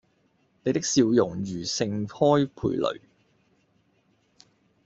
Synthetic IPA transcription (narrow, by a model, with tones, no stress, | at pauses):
ne˨˧jt̪ɪ˥ksiː˧wjʊ˨˩ŋjyː˨˩sɪ˧ŋhɔː˥jpʰṵː˧jlʔɵ̰˨˩ɥ